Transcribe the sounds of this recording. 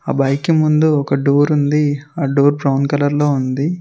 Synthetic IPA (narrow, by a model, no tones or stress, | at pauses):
aːbɐjkimund̪uɔkɐɖuːɾund̪iaːɖoːɾpɾɐwnkɐlɐɾlo̞ːund̪i